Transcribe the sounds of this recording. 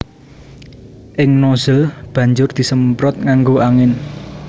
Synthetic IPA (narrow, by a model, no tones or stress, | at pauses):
ʔɪŋnoz̥əlb̥ä̤ɲd͡ʒʊrd̪̥i̤səmpɾɔt̪̚ŋaŋɡoʔaŋɪn